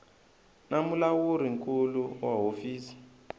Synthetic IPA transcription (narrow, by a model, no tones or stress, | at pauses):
namulawuɾiŋkuluwaɦofiːsi̥